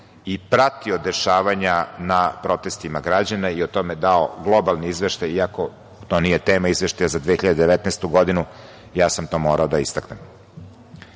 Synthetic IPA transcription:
ipɾat̪iod̪eʃaːʋaɲanapɾo̞t̪est̪imaɡɾad͡ʑanaiot̪o̞med̪aoɡlˠo̞balˠniizʋeʃt̪ajiako̞ | t̪o̞nije̞t̪eːmaizʋeʃt̪ajazad̪ʋiexiʎad̪ed̪eʋet̪nest̪uɡo̞d̪inu | jaːsamt̪o̞ːmoːɾaod̪aist̪aknem

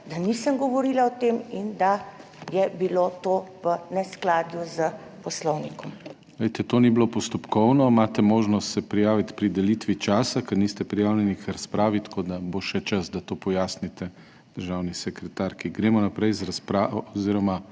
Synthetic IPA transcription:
d̪anisəmɡɔʋoɾiːlaɔt̪emind̪a | jɛbilot̪oːʋənɛsklaːd̪juzə | pɔslɔwnikɔm | ʋɛjt̪ɛt̪oːniblopɔst̪ɔpkɔwnɔmaːt̪ɛmoːʒnɔst̪sɛpɾijaːʋit̪pɾid̪ɛlit̪ʋit͡ʃaːsakɐniːst̪ɛpɾijaːwljɛnixɾaspɾaːʋit̪kʰoːd̪aboʃɛt͡ʃɐzd̪at̪oːpɔjaːsnit̪ɛ | d̪̥əɾʒaːwnisɛkɾɛt̪aːɾkiɡɾeːmɔnapɾɛjzɾaspɾaːoziːɾɔma

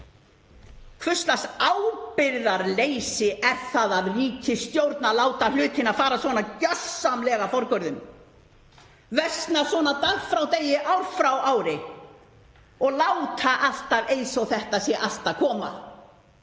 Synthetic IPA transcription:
kʰvʏst̪lasaːwpɪɾðaɾlejsɪʔɛɾ̥θaðaðriːcʰɪst̪jowɾt̪nalaːwt̪alʏːt̪ɪnaðfaːɾasvɔːnacasːamlɛɣafɔɾkœɾðʏm | vɛst̪nasvɔːnat̪aɣfɾawt̪ejɪʔawɾfɾawaːwɾɪ | ɔɣlaːwt̪ʰaʔal̥t̪avejsɔwθɛht̪asjɛʔal̥t̪akʰɔːma̰

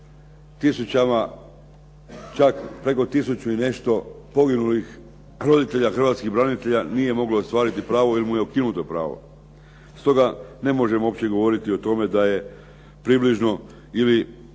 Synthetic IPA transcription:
t̪isut͡ɕama | t͡ʃakpɾe̞ko̞t̪isut͡ɕuine̞ʃt̪o̞ | po̞ɡinulix | ɾo̞d̪it̪e̞ʎaxrʋat̪skiɣbɾanit̪e̞ʎanije̞mo̞ɡlost̪ʋaːɾit̪ipɾaːʋo̞ilimujeukinut̪o̞pɾa̰ːʋo̞̰ | st̪o̞ɡane̞mo̞ʒe̞mo̞pt͡ɕe̞ɡo̞ʋo̞ɾit̪iot̪o̞me̞d̪aje̞ | pɾibliʒno̞ | ili

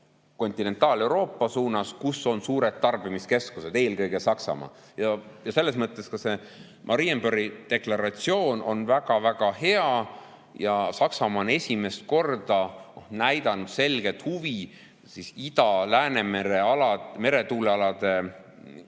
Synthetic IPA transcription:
ko̞nʲt̪ine̞nt̪ːˑɑːle̞wɾo̞ːpːˑɑsuːnɑskusːo̞nsuːɾe̞t̪̚ːɑrb̥imiske̞skuse̞d̪̥e̞ːlkɤjɡ̥e̞sɑksɑ̰mɑ̰ː | jɑjɑse̞lːe̞smɤt̪ːˑe̞skɑse̞ | mʔɑɾijembøɾid̪̥e̞klɑɾɑt̪sio̞ːno̞nvæɡ̥ɑvæɡ̥ɑhe̞ɑ | jɑsɑksɑmɑone̞sʲime̞st̪̚ko̞rd̪̥ɑnæjd̪̥ɑnud̪̥se̞lɡ̥e̞t̪huvi | sisid̪̥ɑlæːne̞meɾeɑlɑme̞ɾe̞t̪uːleɑlɑd̪̥e̞

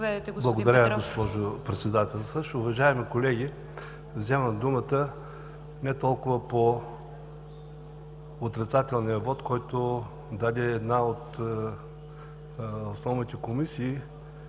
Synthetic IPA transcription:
ɛdɛt̪ɛblˠɐɡod̪ɐɾʲaɡospɔʒopɾɛt̪sɛd̪at̪ɛlˠsəʃʊvɐʒaɛmikolɛɡʲi | vzɛməmd̪umət̪ə | nɛt̪ɔlˠkʊvəpo | ot̪ɾɛt̪sat̪ɛlˠnijəvɔt̪kɔjt̪o | d̪ad̪ɛːd̪naot̪ | osnɔvnit̪ɛkomisiː

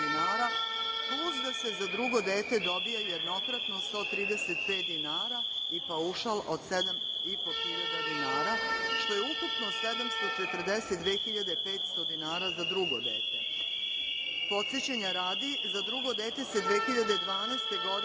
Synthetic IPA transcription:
inaːɾa | pluzd̪ase̞zad̪ɾuɡo̞d̪eːt̪e̞d̪o̞bijajed̪no̞kɾat̪nost̪o̞ːt̪ɾiːd̪e̞se̞t̪̚peːt̪̚d̪inaːɾa | ipauʃalod̪se̞d̪am | ipo̞xiʎad̪ad̪inaːɾaʃt̪o̞jeukupnose̞d̪amst̪o̞t͡ʃet̪ər̩d̪eset̪d̪ʋeːxiʎad̪e̞pe̞ːt̪st̪o̞d̪inaːɾazad̪ɾuɡo̞̰d̪ḛːt̪ḛ | po̞t̪sjet͡ɕeɲaɾaːd̪izad̪ɾuɡo̞d̪eːt̪e̞se̞d̪ʋeːxiʎad̪e̞d̪ʋaːneːst̪e̞ɡo̞d̪

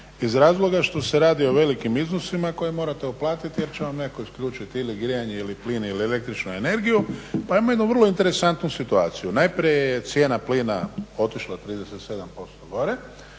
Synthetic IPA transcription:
izɾaːzlˠo̞ɡaʃt̪o̞seɾaːd̪io̞ʋe̞likimiznosimako̞jimo̞ːɾat̪euplaːt̪it̪ijeɾt͡ɕe̞ʋamnekakoisklʎuːt͡ʃit̪iliɡɾijaɲeilipliːniliele̞k̚t̪ɾit͡ʃnue̞ne̞ɾɡijupaimoje̞d̪nuʋrlˠo̞int̪e̞ɾe̞sant̪nusit̪uaːt̪sijunajpɾiejjet̪sje̞ːnapliːnao̞t̪iʃlˠat̪ɾiːd̪ese̞t̪se̞d̪ampo̞st̪oɡo̞ɾe̞

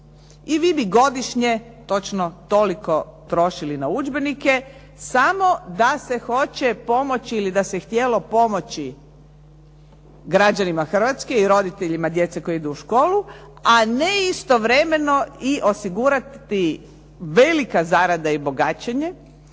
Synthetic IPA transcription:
iʋiːbiɡo̞d̪iʃɲe | t̪o̞t͡ʃnot̪o̞liko̞t̪ɾo̞ʃilinaud͡ʒbe̞nike̞ | samo̞d̪ase̞xo̞t͡ɕepo̞mo̞t͡ɕiilid̪asext̪jelo̞po̞mo̞t͡ɕi | ɡɾad͡ʑanimaxr̩ʋat̪ske̞iɾo̞d̪it̪eʎimad̪je̞t̪seko̞jid̪uuʃko̞ːlˠu | aneist̪o̞ʋɾeme̞no̞iʔo̞siɡuɾat̪ːi | ʋe̞likazaɾad̪aibo̞ɡat͡ɕeɲe

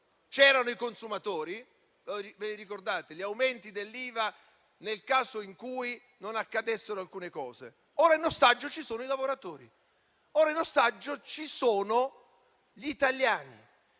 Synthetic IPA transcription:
t͡ʃɛːɾanoikonsumat̪oːɾi | viveɾikord̪aːt̪eʎiawment̪id̪elːiːva | nelkaːzoiŋkuːj | nonakːad̪esːeɾoalkuːnekɔːzḛ | oːɾainost̪ad͡ʒːot͡ʃisoːnoilavoɾat̪oːɾḭ | oːɾainːost̪ad͡ʒːot͡ʃisoːno | ʎit̪aljaːnḭ

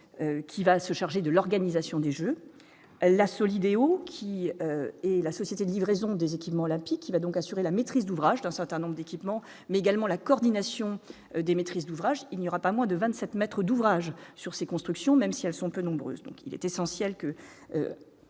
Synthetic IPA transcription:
økʲʰivasəʃaʁʒed̪əlɔʁɡanizasjɔ̃d̪eʒø | lasɔlid̪eokʲʰiøɛlasɔsjet̪ed̪əlivʁezɔ̃d̪ezekʲipmɑ̃ɔlɛ̃pikʰːivad̪ɔ̃kasyʁelamet̪χizd̪uvʁaʒd̪ɛ̃sɛʁt̪ɛ̃nɔ̃bʁəd̪ekʲipmɑ̃ | mɛeɡalmɑ̃lakɔːʁd̪inasjɔ̃ | d̪emet̪χizd̪uvʁaʒilnjɔʁapamwɛ̃d̪əvɛ̃t̪sɛt̪mɛt̪χəd̪uvʁaʒsyʁsekɔ̃st̪χyksjɔ̃mɛmsiɛlsɔ̃pønɔ̃bʁø̰ːzd̪ɔ̰̃kḭlɛ̰t̪esɑ̃sjɛlkə | ø̰

